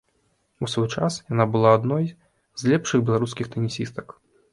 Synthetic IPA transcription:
usvɔjt͡ʂasjanabɨlˠaːd̪nɔj | zʲlʲɛpʂɨɣbʲɛlˠaɾuskʲixt̪ɐnʲisʲist̪ɐ̥k

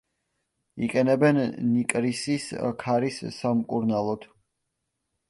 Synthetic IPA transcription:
iqʼɛnɛbɛnːnikʼɾisiskʰaɾisːamkʼuɾnalˠɔd̪̥

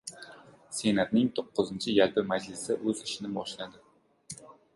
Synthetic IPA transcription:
se̞nat̪nɪŋt̪ʰoqːʊzɪnt͡ʃʰɪjalˠpɪmad͡ʒlɪsɪʔɵzɪʃɪnɪbɒʃlad̪ɪ

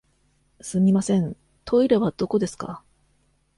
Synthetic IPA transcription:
sɨmʲimasẽ̞n | t̪ʰo̞iɾeβad̪̥o̞ko̞d̪e̞sɨ̥ka̰

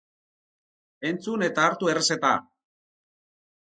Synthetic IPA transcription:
e̞nt͡sune̞t̪aːɾt̪uereset̪a̰

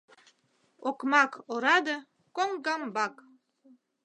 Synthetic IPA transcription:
okmɑkoɾɑd̪ə | koŋɡɑmbɑk

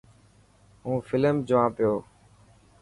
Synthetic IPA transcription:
ɦũːfʰɪləmd͡ʒʊʋãːpɪjoː

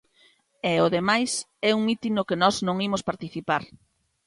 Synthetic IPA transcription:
ɛoðemajs | ɛuŋit̪inʊkenɔznõŋimʊspaɾt̪iθipaɾ

